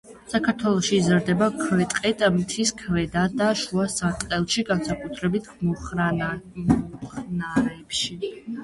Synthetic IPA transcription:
sakʰaɾt̪ʰwɛlˠɔʃiːzɾd̪ɛbakʰvɛt̪ʼqʼɛt̪ʼmt̪ʰiskʰvɛd̪ad̪aʃuasat̪ʼqʼɛlˠʃiɡansakʼut̪ʰɾɛbit̪ʰmɔχa | ɔχnaɾɛːpʃi

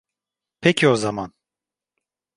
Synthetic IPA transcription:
pʰɛcʰio̞zaman

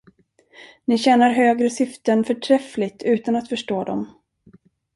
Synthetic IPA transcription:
nɪɕɛːnaɾɦøːɡɾəsʏft̪ənfœʈʰɾɛflɪt̪ʰʉ̟ːt̪anat̪fœʂʈoːd̪ɔm

